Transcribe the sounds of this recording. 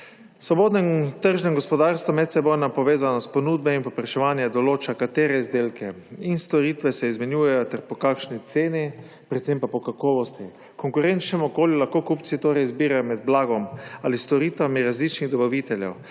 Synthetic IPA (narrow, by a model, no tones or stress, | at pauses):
sʋɔboːd̪nɛmt̪əɾʒnɛŋɡɔspɔd̪aːɾst̪ʋɔmɛt̪sɛbɔjnapɔʋeːzanɔspɔnud̪̚bɛinpopɾɛʃɛʋaːnjad̪ɔloːt͡ʃakat̪eːɾɛizd̪eːlkɛ | inst̪ɔɾit̪ʋɛsɛizmɛnjuːjɛjɔt̪ɛɾpɔkakʃnit̪seːni | pɾɛt̪sempapɔkakɔːʋɔst̪i | kɔŋkʊɾent͡ʃnɛmɔkoːljulaxkokupt̪sit̪oːɾɛjizbiːɾajɔmɛd̪̚blaːɡɔmalist̪ɔɾiːt̪ʋamiɾazlit͡ʃniɣd̪ɔbaʋit̪ɛljɛ̰w